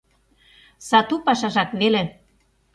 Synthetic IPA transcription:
sɑt̪upɑʃɑʒɑkβelĕ

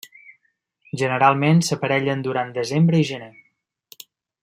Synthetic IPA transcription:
ʒənəɾalˠmensəpəɾɛʎənd̪uɾand̪əzembɾəiʒəne

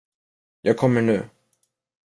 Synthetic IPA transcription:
jʔɑːɡ̚kʰɔmːəɳʉ̟̰ː

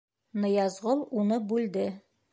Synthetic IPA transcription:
nɤ̆jɑzʁɤlˠunɤbʉld̪ɘ

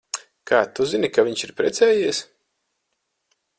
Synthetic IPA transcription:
kʰaːt̪uzinikavʲiɲʃiɾpɾʲɛt̪sɛːjiɛs

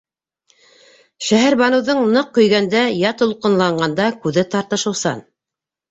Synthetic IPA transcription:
ʃæɦæɾbɑnɤ̆wðɤɴnɤqːɵ̆jɡænd̪æjɑt̪ŏlˠqɤ̆nlˠɑɴɢɑnd̪ɑkʉðɘt̪ɑɾt̪ɤ̆ʃɤ̆wsɑ̰n

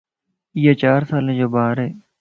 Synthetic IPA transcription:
ijaːt͡ʃaːɾsaːlẽːd͡ʒoːbaːɾɦeː

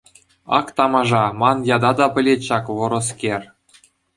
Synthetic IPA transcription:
ɑ̰kt̪ɑmɑʐɑmɑnjɑd̪ɑd̪ɑpʲɘ̆lʲeɕɑkʋɤ̆ɾɤ̆skʲerʲ

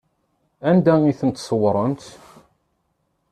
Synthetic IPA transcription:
ænd̪æiθənt̪ːswɾˤənt̪

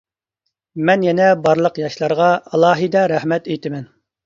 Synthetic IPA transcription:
mɛnjɛnɛbɑɾlˠəqjɑʃlˠɑɾʁɑɑlˠɑːɦɨd̪ɑɾæhmɛt̪ejt̪ʰɪmɛn

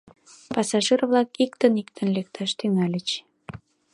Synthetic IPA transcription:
pɑsɑʒirvlɑkikt̪ənik̚t̪ʰənlek̚t̪ʰɑʃt̪yŋɑlʲət͡ɕ

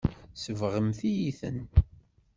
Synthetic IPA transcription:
səvʁəmθijiθə̰n

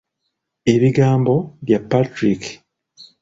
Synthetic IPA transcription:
e̞βiɡaːmbo̞βjapːatɾik

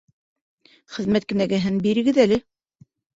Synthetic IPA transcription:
χɘ̆ðmæt̪̚kɘ̆næɡɘ̆ɦɘnbiɾɘ̆ɡɘðælɘ

